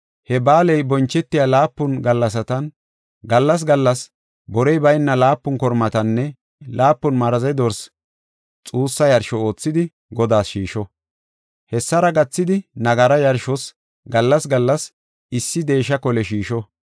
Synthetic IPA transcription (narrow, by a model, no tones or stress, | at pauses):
hɛbaːlɛjbɔnt͡ʃːɛt̪ːɪjalaːpːʊnɡɐlːɐs̬ɐt̪ɐn | ɡɐlːɐs̬ɡɐlːɐs | bɔɾɛjbɐjnːɐlaːpːʊnkɔɾmɐt̪ɐnːɛ | laːpːʊnmɐɾɐzɛd̪ɔɾs | t͡sʼuːsːɐjɐɾʃɔo̞ːt͡sːɪd̪ɪ | ɡɔd̪aːsʃiːʃɔ | hɛsːɐɾɐɡɐt͡sːɪd̪ɪnɐɡɐɾɐjɐɾʃɔs | ɡɐlːɐsɡɐlːɐs | ɪsːɪd̪e̞ːʃːɐkɔlɛʃiːʃɔ